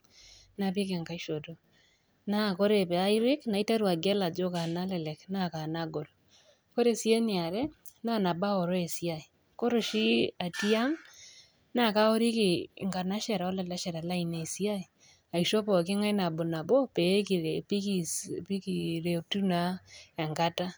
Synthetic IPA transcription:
na˨pɪ˦ke˨ŋɡa˨i˦ʃo˨to˦ | na˦ko˦ɾe˨pɛ˨a˦i˦ɾɪ˦kna˨i˦ta˦ɾwa˨ɡɛ˦la˨d͡ʒo˦ka˨na˦lɛ˨lɛ˨kna˦ka˨na˦ɡo˨l | ko˦ɾe˨si˦e˦nɪ˨a˨ɾɛ˦ | na˦na˨ba˦ɔ˨ɾɔ˦e˨si˦a˨i˨ | ko˦ɾo˨ʃi˦a˨ti˦a˦ŋ | na˦˨ka˦o˦ɾi˦ki˨ŋɡa˨na˦ʃɛ˨ɾa˨ɔ˦lɛ˨lɛ˦ʃɛ˨ɾa˨la˦i˨ne˨si˦a˦i˨ | a˨iʃo˦pɔ˨kɪ˦ŋa˦jna˨bo˨na˨bo˦pe˨˦ki˨pi˦kipi˦kiɾe˨tu˦na˦ɛ˨ŋɡa˦ta˦

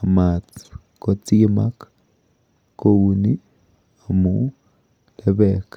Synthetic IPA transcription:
a˨ma˨t͡s | ko˧t͡si˦ma˦k | ko˧wu˧ni˦ | a˨mu˨˦ | le˧be˧˨k

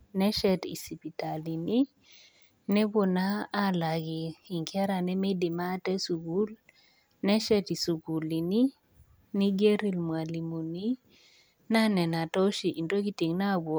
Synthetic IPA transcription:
nɛ˦ʃɛ˦˨tḭ˨si˨pi˨ta˨li˨ni˦ | nɛ˦bo˨naː˦la˨ɡiː˨ŋka˦ɾa˨nɛ˦me˦di˨ma˦tɛ˦su˨ɡu˦l | nɛ˦ʃɛ˦ti˨su˨ku˨li˨ni˦ | ni˦ɡe˦ɾi˦lmwa˨li˨mu˨ni˦ | na˦nɛ˨na˨tɔ˦ʃi˨ʔi˨nto˦ki˦ti˨ŋna˦bɔ˨

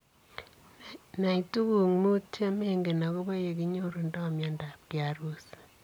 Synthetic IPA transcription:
na˨i˨tu˦ku˨ŋnu˦te˦me˦ŋɡe˨na˨ko˦ba˦je˨k̬i˦ɲo˦ɾu˨nda˦˨mja˦nda˨p̚kjaɾu˦s

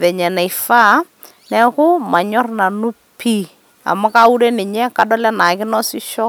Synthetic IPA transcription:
ʋɛ˨ɲɛ˨na˨i˨fa˦ | nɛ˦kʊ˦ma˨ɲɔ˦rna˨nʊ˦ | pʰi˦ | a̰˨ma˦ka˦u˦ɾe˦nɪ˨ɲɛ˦ka˨dɔ˦lɛ˦na˨kɪ˦nɔ˦sɪ˦ʃɔ˦

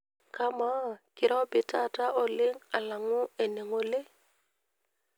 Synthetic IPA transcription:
ka˦ma˦kɪ˨ɾɔ˦bɪ˨ta˦˨ta˦ʔɔ˨lɪ˦ŋa˨la˨ŋʊ˦e˨ne˨ŋo˨le˦

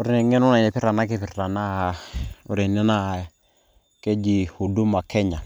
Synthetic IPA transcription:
ʊ˦ɾɪ˨nɛ˨ŋɛ˦nʊ˦na˨ɛ˨pɪ˦ɾa˨na˦kɛ˦pɪ˨ra˨na˦˨ʊ˦ɾɪ˨nɛ˦na˦˨ | kɛ˦d͡ʒi˨o˨du˦ma˨kʰɛ˦ɲa˨

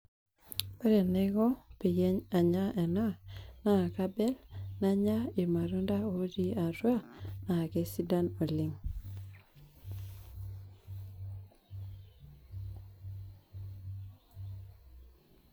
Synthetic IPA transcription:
pɛ˦ɾɛ˨nɛ˦ɡɔ˦pi˨jɛ˦ɲa˨ɲa˦ʔɛ˨na˦na˨ka˦bɛ˦lna˨ɲa˦i˨ma˨ɾu˦nda˦o˨˦d͡ʒi˦a˨ɾwa˦na˨kɛ˦si˦da˦no˨li˨ŋ

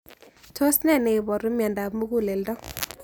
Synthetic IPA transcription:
to˦snɛ˦˨ne˨bɔ˨ɾu˦mjɛ˨nda˨pmu˦ku˦˨le˨ldɔ˦

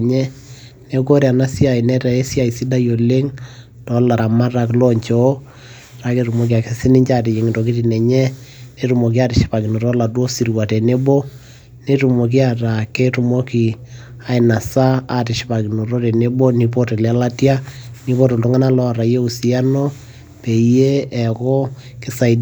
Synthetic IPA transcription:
ɲɛ˦ | ne˦ko˦ɾe˨a˨na˦si˦a˨i˨nɛ˦ta˨e˦sja˦˨i˨si˦da˦jo˨le˦ŋ | tɔ˨˦la˨ɾa˨ma˦ra˨klɔ˦ɲt͡ʃɔ˨˦ | ɾa˨ke˦tu˨mo˦kia˨ke˦sɪ˦nɪ˦ɲt͡ʃa˦˨ti˨je˨ŋ˨to˨ki˦ti˨nɛ˨ɲɛ˦ne˦tu˨mo˨k̬i˦a˦tɪ˨ʃi̥˦pa˨ki˨no˨ɾɔ˦la˨two˦si˨ɾwa˨tɛ˨ne˦bɔ˦ | ne˦tu˨mo˨k̬i˦a˨ta˨ke˦tu˨mo˦ki˨ | a˦ɪ˨na˨sa˦a˨tɪ˨ʃɪ̥˦pa˨ki˨no˨ɾo˦te˨ne˦bo˦ni˨po˦te˨lɛ˨˦la˦tja˦ni˦bo˦to˨ltu˦ŋa˦na˦lɔ˦˨ɾa˨je˦u˨si˦a˦no˦ | pe˨je˦ɛ˨kɔ˦kɪ˦sa˨i˦

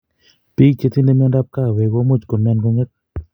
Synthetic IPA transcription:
pi˦k̚t͡ʃe˦˧t̪i˦nde˦mɛ˦nda˦p̚ka˦˨we˨ɡo˦mo˦t͡ʃko˨nmɛ˧˦nɡo˦ŋɛ˦t̪̚

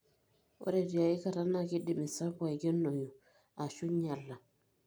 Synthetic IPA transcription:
o̰˦ɾe˨di˨a˨i˦ka˨ɾa˦na˦ki˦di˨mi˨sa˦ba˨i˨ɡe˦nːo˨ju˨ | a˨ʃu˦ɲa˨lːa˨

